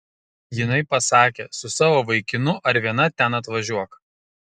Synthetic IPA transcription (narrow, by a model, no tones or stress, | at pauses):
jɪnɐɪpɐsɑːkʲeːsʊsɑːʋoːʋɐɪkʲɪnʊʔɐɾʋʲiɛnɐt̪ʲɛnɐt̪ʋɐʒʲuɔk